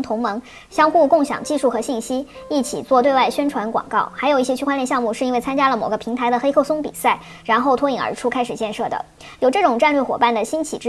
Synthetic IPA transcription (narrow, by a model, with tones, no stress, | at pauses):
ŋt̪ʰʊ˧˥ŋmɤ˧˥ŋ | ɕjɑ˥ŋxu˥˧kʊ˥˩ŋɕjɑ̰˨˩ŋt͡ɕi˥˧ʂu˥˩xɤ˧˥ɕi˥˩nɕi˥i˥˩t͡ɕʰḭ˨˩t͡swɔ˥˧t̪we˥˧ɪwa˥˩ɪɕɥɛ˥nʈ͡ʂʰwa˧˥nkwɑ̰˨˩ŋkɑ˥˩ʊxa˧˥ɪo˨˩ʊi˥˩ɕjɛ˥t͡ɕʰy˥wa˥nljɛ˥˧ɕjɑ˥˧ŋmu˥˧ʂɻ̩˥˩˧nwe˥˩ɪt͡sʰa˥nt͡ɕja˥lə˨mo˨˩ʊɡə˦pʰi˧˥ŋt̪ʰa˧˥ɪd̪ə˨xe˥ɪkʰɤ˥˩ʊsʊ˥ŋpḭ˨˩sa˥˩ɪ | ɻa˧˥nxo˥˩ʊt̪ʰwɔ˥i˨˩ŋə̰˧˥ʈ͡ʂʰu˥kʰa˥ɪʂɻ̩˨˩t͡ɕjɛ˥˧nʂɤ˥˩d̪ə̰˩ | jo˨˩ʊʈ͡ʂɤ˥˩ʈ͡ʂʊ˨˩ŋʈ͡ʂa˥˧nlɥɛ˥˩xwɔ˨˩pa˥˩nd̪ə˩ɕi˥nt͡ɕʰḭ˨˩ʈ͡ʂ